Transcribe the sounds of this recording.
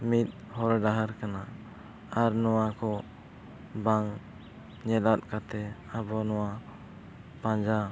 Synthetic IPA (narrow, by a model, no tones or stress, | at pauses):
mit̪̚ˀ | hɔɾɖaɦaɾkana | aɾnɔwakɔ | baŋ | ɲɛlat̪̚kat̪ɛ | abɔnɔwa | pãd͡ʒa